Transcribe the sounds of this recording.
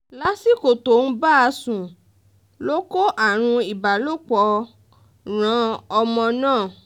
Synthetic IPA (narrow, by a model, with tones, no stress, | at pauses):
la˦si˦ko˨to˨˦n̩˦ba˦a˧sũ˨ | lo˦ko˦ʔa˦˨ɾ̃ũ˧i˨ba˨lo˦k͡pɔ˧˦ | ɾ̃ã˨˦ɔ˧mɔ̃˧nãː˦˨